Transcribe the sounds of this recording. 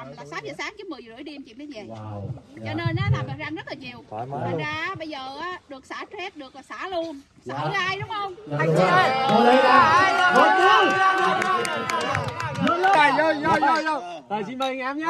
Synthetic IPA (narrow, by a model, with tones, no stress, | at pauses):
laː˨˩saː˨˦˥mzəː˨˩saː˨˦˥ŋt͡ɕɨ˨˦mɨ˨˩əzə˨˩ɨ̰˧˩əjɗi˧əmt͡ɕḭ˧˨nə˨˧˦vɛ̰˨˩jt͡ɕɔ˧ne˧nʔaː˨˦laː˨˩maː˨˩zaː˧ŋzə˦˥t̚laː˨˩ɲi˨˩əwaː˨˧zaː˧˩ʔːɓə˧jzəː˨˩ʔaː˨˦ɗɨ˨˩ək̚saː˧˩˥t͡ɕɛ˦˥p̚ɗɨ˨˩ək̚aː˨˩saː˧˩˦lu˧ən | sa̰ː˧˩˧ʔaː˧jɗʊ˨˦ŋ͡mhə˧wŋ͡m̪ʰa˧jə˧˩ja˧˩˧mo˨˦t̪ʰɨ˦ŋ˧˦˧a˨˧˩jzə˧˩jzɔ˧˩jzɔ˧jzɔ˧˩ | t̪əː˨˩si˧nɓə˧ŋaː˧mɲa˨˦˥